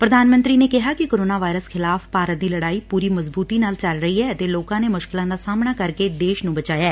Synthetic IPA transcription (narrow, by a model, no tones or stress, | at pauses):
pɾəd̪aːnmə̃nt̪ɾiːneːkɪɦaːkɪkoːɾoːnaːʋaːɪɾəskʰɪlaːfpaːɾət̪̚d̪iːləɽaːiːpuːɾiːməzbuːt̪iːnaːlt͡ʃəlɾəiːɦɛːət̪eːloːkãːneːmʊʃkɪlãːd̪aːsaːmɳaːkəɾkeːd̪eːʃnũːbət͡ʃaːjaː